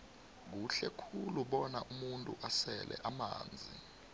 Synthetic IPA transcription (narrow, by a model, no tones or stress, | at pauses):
k̬uɬɛkʰuluɓɔnaʔumuntʼuʔasɛlʔɛ̰ʔama̰ːnd͡zʱi